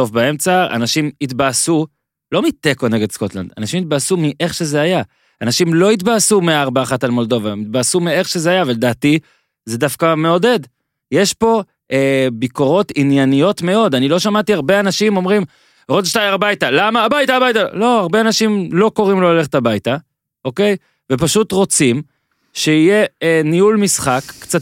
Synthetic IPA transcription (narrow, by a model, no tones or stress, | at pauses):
o̞fbae̞mt͡saa̰naʃimit̪baːsu | lo̞mit̪e̞kone̞ɡe̞d̪sko̞t̪la̰nd̥̪a̰naʃimit̪̚basumiʔe̞χʃe̞zeaja | anaʃimlo̞it̪̬baːsumeaaʁbaːχatalmo̞ld̪o̞vaemit̪̚basumie̞χʃe̞zeajaːvaled̪aːti | ze̞dafkame̞o̞de̞d | je̞ʃpo̞ | ʔebiko̞ʁo̞tinjanijo̞tme̞o̞danilo̞ʃamatiaʁbe̞anaʃimo̞mʁim | odʃtajaʁabajtalamaːbajtaːbajtalo̞aʁbeanaʃimlo̞ko̞ʁimloole̞χetabajta | ʔo̞ke̞j | ve̞paʃut̪ʁo̞t͡sim | ʃeije̞niulmisχakːt͡sat